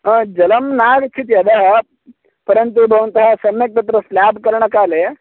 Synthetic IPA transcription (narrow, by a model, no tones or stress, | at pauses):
ɐ̃d͡ʒɐlɐmnaːɡt͡ʃʰit̪iɐd̪ɐɦɐ | pɐɾjɐnt̪ubʱɐʋɐnt̪ɐɦɐsɐmjɐk̚t̪ɐt̪ɾɐslaːbkɐɾɳ̃ɐkaːleː